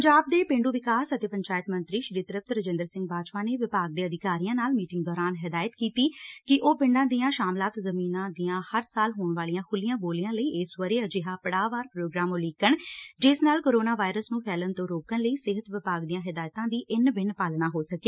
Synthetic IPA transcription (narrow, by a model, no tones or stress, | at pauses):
əɲd͡ʒaːb̚d̪eːpẽːɳɖuːʋɪkaːsət̪eːpəɲt͡ʃaːɪt̪mənt̪ɾiːʃɾiːt̪əɾəp̚t̪ɾəd͡ʒɪ̃nd̪əɾsɪ̃ŋɡ̚baːd͡ʒpãːneːʋɪpaːɡ̚d̪eːəd̪ɪkaːɾijãːnaːlmiːʈɪŋɡd̪ɔːɾaːnɦɪd̪aːjət̪kiːt̪iːkɪʔoːpɪ̃ɳɖãːd̪iːãːʃaːmlaːt̪zəmiːnãːd̪iːãːhəɾsaːlɦoːɳʋaːlijãːkʰʊlijãːboːlijãːləiːɪsʋəɾeːəd͡ʒɪɦaːpəɽaːʋaːɾpɾoːɡɾaːmoliːkəɳd͡ʒɪsnaːlkoːɾoːnaːʋaːɪɾəsnũːpʰɛːlənt̪õːɾoːkənləiːsɪɦət̪ʋɪpaːɡd̪iãːɦɪd̪aːjt̪ãːd̪iːʔɪnbɪɳpaːlnaːɦoːsəkeː